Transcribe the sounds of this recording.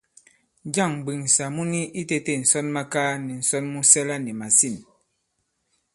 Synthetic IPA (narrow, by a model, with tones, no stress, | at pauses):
d͡ʒa˦˨ŋ˨ɡ͡bi˨ŋ˨sa˨mu˦ni˦ʔi˦te˦te˦˨n̩˨sɔ˦nma˦kaː˦nɛ˨n̩˨sɔ˦nmu˦sɛ˦la˦nɛ˨ma˨si˦˨n